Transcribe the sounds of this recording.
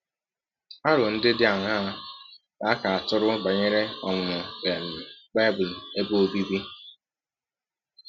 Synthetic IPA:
a˦ɾʊ˨n̩˦dɪ˦dɪ˦a˨ŋa˦a˦ | a˦ka˨a˨tʊ˦ɾʊ˦ba˨ɲe˦ɾe˦ɔ˨ŋ˨ʊ˨be˨n̩˨ba˦bʊ˨le˦bo˦o˦bi˦bi˦

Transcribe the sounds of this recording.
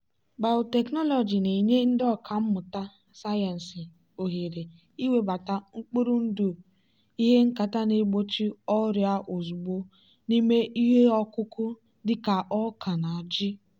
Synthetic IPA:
ɡ͡ba˨ʊ˨te˨knɔ˦lɔ˨d͡ʒi˨ne˨ɲe˦n̩˦dɔ˦˨kʰa˨m̩˦mʊ˨ta˦ | sa˦je˨n̩˨sɪ˨ | o˨ɦi˨ɾe˨ | i˦we˦ba˨ta˦ŋ͡m̩˦k͡pu˦ɾu˦n̩˦du˨ | i˦ɦe˦ŋ̩˦ka˨ta˦ne˨ɡ͡bo˦t͡ʃi˦ɔ˦ɾja˦ʔo˨zu˨ɡ͡bo˦ | ni˦me˦ʔi˦ɦe˦ɔ˦kʊ˦kʊ˦ | dɪ˦ka˨ʔɔ˦kʰa˨na˨d͡ʒɪ˦

